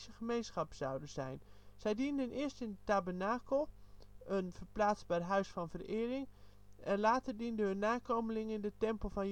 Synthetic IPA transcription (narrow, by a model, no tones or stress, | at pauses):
səχəmejnsχɑpsɑwdənzɛjnz̥ɛjdindənʔɪəɹstɪndətabərnaːkəlˠʔənfərplaːsbarɦœɥsfɑnvərɪːrɪŋ | ɛnlaːtərdindəɦɵnːaːkoməlɪŋɪndətɛmpəlˠfɑn